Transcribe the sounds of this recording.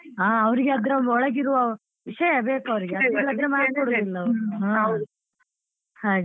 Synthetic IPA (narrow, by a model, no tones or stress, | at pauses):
aːɐʋɐɾiɡeɐd̪ɾeɔɭɐɡiɾuʋɐ | ʋiʂɐjɐbeːkɐʋɐɾiɡeɐɐkɛlːɐd̪ɾemaːɾd̪koɽud̪ilːɐuaː | saːɡ